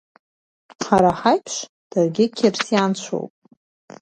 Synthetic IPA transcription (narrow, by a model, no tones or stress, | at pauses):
ħaɾaħajpʰʂ | d̥arɡʲɪkʲʰirsjant͡ɕʷʰo̰wpʼ